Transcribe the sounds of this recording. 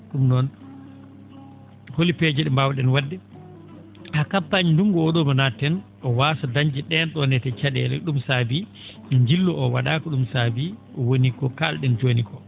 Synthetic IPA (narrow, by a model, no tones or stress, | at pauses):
ɗumnɔn | holiped͡ʒɛɗɛmbawɗɛnwadːɛ | hakapːaɲinduŋɡɔːɗɔmanatɛn | ɔwaːsadaɲd͡ʒɛɗɛnɗɔnɛtɛt͡ʃaɗɛ̰lɛ̰ɗumsabi | ɲd͡ʒilːɔɔwa̰ɗaːkɔɗumsabiʔɔwonikɔkalɗɛnd͡ʒoːnikɔ